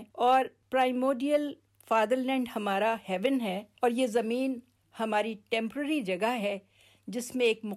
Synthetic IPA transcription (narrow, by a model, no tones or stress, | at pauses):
ɔːɾpɾaːɪmoːɖijəl | faːd̪əɾlɛ̃ːɳɖhɐmaːɾahɛːʋɪnɦɛːɔːɾjezɐmiːn | hɐmaːɾiʈɛ̃ːmpɾəɾid͡ʒɐɡəɦɛ | d͡ʒɪsmẽeːkmʊ